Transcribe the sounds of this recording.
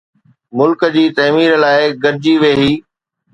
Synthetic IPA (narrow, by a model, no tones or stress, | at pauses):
mʊlkd͡ʑiːt̪ɐːmiːɾlaːɪɡɐɾd͡ʑiʋeːɦiː